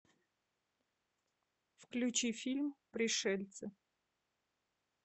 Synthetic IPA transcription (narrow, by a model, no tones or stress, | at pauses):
fklʲʉt͡ɕifʲilʲmpɾʲɪʂɛlʲt̪sə